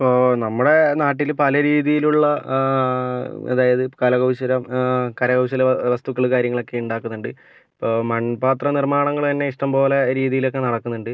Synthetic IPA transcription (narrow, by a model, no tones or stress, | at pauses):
ipːoːnɐmːuɽe̞naːʈːilpɐlɐɾiːðijiluɭːɐ | ḛðaːjɐðɨkɐlɐɣɐwɕɐɾɐmkɐɾɐɣɐwɕɐlʋɐst̪ukːɐɭkaːɾjɐŋːɐɭo̞kːe̞uɳɖaːkːunːuɳɖɨ | ipːoːmɐnpaːt̪rɐnirmaːɳɐŋːɐɭt̪ɐnːe̞iʂʈɐmpo̞ːle̞ɾiːðijilo̞k̬ːe̞nɐɽɐkːunːuɳɖɨ